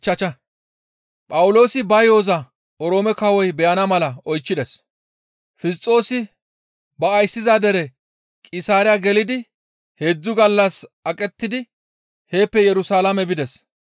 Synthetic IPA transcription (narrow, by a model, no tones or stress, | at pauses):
t͡ʃːɐt͡ʃɐ | pʼɐwʊlo̞ːsɪbɐjo̞ːzɐ | ɔɾo̞ːmɛkɐwɔjbɛjʔɐnɐmɐlɐɔjt͡ʃːɪd̪ɛs | fɪs̬t͡sʼo̞ːsɪ | bɐːjsːɪzad̪ɛɾɛ | kʼɪsaːɾɪjaɡɛlɪd̪ɪ | he̞ːd͡zːʊɡɐlːɐsɐkʼɛt̪ːɪd̪ɪ | he̞ːpːɛjɛɾʊsaːlɐmɛbɪd̪ɛs